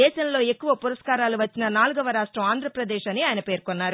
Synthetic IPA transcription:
ɛːʃɐmlo̞ːe̞kːuʋɐpuɾɐʂkaːɾaːluʋɐt͡ʃːinɐnaːluɡɐʋɐɾaːʂʈɾɐmaːnd̪ʱɾɐpɾɐd̪ɛːʃɐniaːjɐnɐpe̞ːɾkonːaːɾu

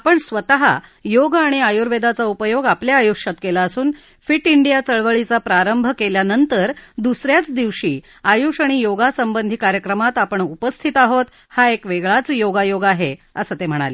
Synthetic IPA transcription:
apəɳsʋət̪aɦa̰joɡaɽ̃iajuɾʋed̪at͡saupəjoɡapljaːjuʂat̪kelaəsuːn | fiʈiɳɖijat͡səɭʋəɭit͡sapɾaɾəmbʱkeljanənt̪əɾd̪usɾjat͡sd̪iʋɕiː | ajuʂaɽ̃ijoɡasəmbənd̪ʱiːkaɾjəkɾəmat̪apəɳupəst̪ʰit̪aɦot̪ | haekʋeɡɭat͡sjoɡajoɡaɦeəsət̪em̤əɽ̃a̰li

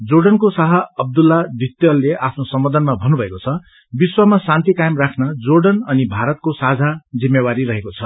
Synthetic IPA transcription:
d͡zoɖʌnkosaɦʌʌb̚d̪ulːad̪ʱit̪jʌlːeʔapʰnosʌmʌd̪ʱʌnmabʱʌnubʱʌekot͡sʰʌ | biswamasant̪ikajmrakʰnʌd͡zoɖʌnʌnibʱaɾʌt̪̚kosad͡zʱad͡zimːewaɾiɾʌɦekot͡sʰʌ

